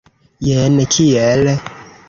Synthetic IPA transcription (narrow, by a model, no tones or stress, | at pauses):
jɛnɛt͡ʃʰijɛlɛ